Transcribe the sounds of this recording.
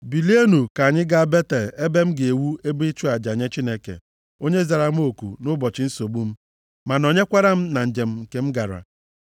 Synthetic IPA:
bi˨li˦e˦nu˨ka˨ɲɪ˦ɡa˦be˦te˨le˦be˦m̩˦ɡe˨wu˦e˦bi˦t͡ʃu˦a˨d͡ʒa˨ɲe˦t͡ʃi˦ne˦kḛ˨ | o˦ɲe˦za˨ɾa˦m̩˦o˨kṵ˨nʊ˦bɔ˨t͡ʃɪ˦n̩˦so˨bu˦m̩˦ | ma˨nɔ˨ɲe˦kʷa˦ɾa˦m̩˦na˨n̩˨d͡ʒe˨m̩˨ŋ̩˨ke˨m̩˦ɡa˨ɾa̰˨

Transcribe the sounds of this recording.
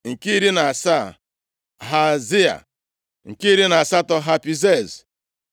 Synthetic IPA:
ŋ̩˨ki˦ɾi˦na˨a˨sa˦˨ | ɦa˨zi˦a̰˨ | ŋ̩˨ki˦ɾi˦na˨a˨sa˦tɔ˦ɦa˨pi˨ze˦˨z

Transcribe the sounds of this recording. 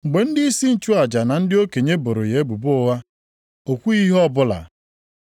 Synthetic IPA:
ŋ͡m̩˨ɡ͡be˨n̩˦dɪ˦i˦si˦n̩˨t͡ʃu˦a˨d͡ʒa˨na˨n̩˦dɪ˦o˦ke˨ɲe˦bo˨ɾo̰˨je˨e˦bu˨bʊ˦wa˦ | o˨kʷu˦i˦ɦɔ˦bʊ˦la̰˨

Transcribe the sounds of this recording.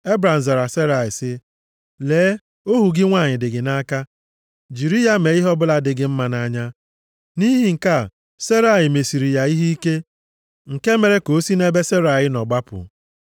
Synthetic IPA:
e˦bɾa˨n̩˨za˨ɾa˨se˦ɾa˨ɪ˨sɪ˦ | leː˨˦ | o˦ɦu˨ɡɪ˦ŋʷa˦˨ɲɪ˨dɪ˨ɡɪ˨na˦ka˦ | d͡ʒi˨ɾi˦ja˦me˨i˦ɦɔ˦bʊ˦la˦dɪ˨ɡɪ˨m̩˦ma˨na˦ɲa˦ | ni˦ɦi˨ŋ̩˨ka˦˨ | se˦ɾa˦˨ɪ˨me˨si˨ɾi˨ja˨i˦ɦi˦i˦ke˦ | ŋ̩˨ke˦me˨ɾe˦ko˨˦si˦ne˦be˦se˦ɾa˨ɣɪ˦nɔ˨ɡ͡ba˦pʊ̰˨

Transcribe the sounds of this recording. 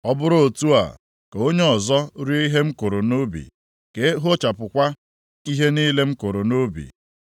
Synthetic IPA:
ɔ˦bʊ˦ɾo˨tu˦a̰˨ | ke˨o˦ɲe˦ɔ˨zɔ˦ɾi˦i˦ɦe˦m̩˦kʊ˨ɾʊ˨no˦bḭ˨ | ke˨˦ɦo˦t͡ʃa˨pʊ˨kʷa˦ | i˦ɦe˦ni˦le˦m̩˦kʊ˨ɾʊ˨no˦bḭ˨

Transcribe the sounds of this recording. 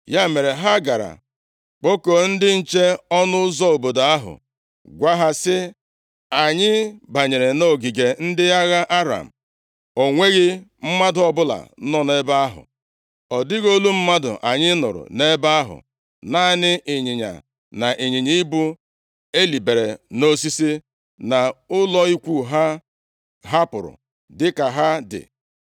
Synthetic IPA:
ja˦˨me˨ɾe˨ɦa˦ɡa˨ɾa̰˨ | k͡po˦ko˨n̩˦dɪ˦n̩˦t͡ʃe˦ɔ˦nʊ˦ʊ˦zɔ˦o˨bo˨da˨a˦ɦʊ̰˨ | ɡʷa˦ɦa˦sɪ˦ | a˨ɲɪ˦ba˨ɲe˨ɾe˨no˦˨ɡi˨ɡe˨n̩˦dɪ˦a˦ɣa˦ʔa˦ɾa̰˨m̩˨ | o˨ŋʷe˦ɣɪ˦m̩˦ma˦dʊ˨ɔ˨bʊ˦la̰˨˦nɔ˦ne˦ba˦a˦ɦʊ̰˨ | ɔ˨dɪ˦ɣo˦lu˦m̩˦ma˦dʊ̰˨ʔa˨ɲɪ˦nʊ̰˨ɾʊ̰˨ne˦ba˦a˦ɦʊ̰˨ | na˦˨nɪ˦ʔɪ˨ɲɪ˨ɲa̰˨ | na˨ʔe˨ɲi˨ɲi˦i˦bʊ˦ | e˦li˨be˨ɾe˨no˦si˦si˦ | na˨ʊ˦lɔ˦i˦kʷu˦ɦa˦ | ɦa˦pʊ˨ɾʊ̰˨ | dɪ˦ka˨ɦa˦dɪ̰˨

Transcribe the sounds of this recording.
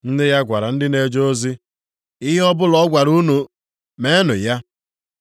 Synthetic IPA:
n̩˦dɪ˦ɣa˦ɡʷa˨ɾa˨n̩˦dɪ˦ne˨d͡ʒo˦zi˦ | ɪ˦ɦɔ˦bʊ˦lɔ˦ɡʷa˨ɾu˦nu˨ | me˦nʊ˨ja˦

